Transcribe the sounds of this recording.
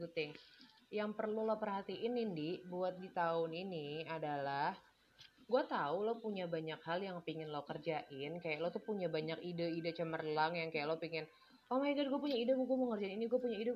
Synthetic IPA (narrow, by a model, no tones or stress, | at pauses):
ɡut̪ɪŋ | jaŋpərlulopərɦat̪iʔɪnindibuat̪̚dit̪aʊniniadalah | ɡuat̪aulopuɲabaɲakhaljaŋpiŋɪnlokərd͡ʒaʔɪnkajaʔlot̪upuɲabaɲakidaidat͡ʃəmərlaŋjaŋkajaʔlopiŋɪn | amaiɡaɡuapuɲaidamɡuaməŋərd͡ʒaininiɡuapuɲaida